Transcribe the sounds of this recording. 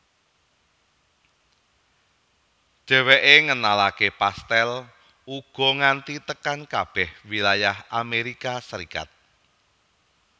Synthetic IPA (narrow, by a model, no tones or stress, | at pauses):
d̥ʒ̥ɛ̤weʔeŋənalakepast̪ɛl | uɡ̥ɔ̤ŋant̪it̪əkankab̥ɛhwilajahʔameɾikasəɾika̰t̪̚